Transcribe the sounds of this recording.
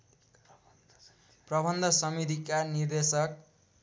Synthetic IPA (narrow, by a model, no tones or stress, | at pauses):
prʌbʱʌnd̪ʱʌsʌmit̪̬ikanird̪esʌk̚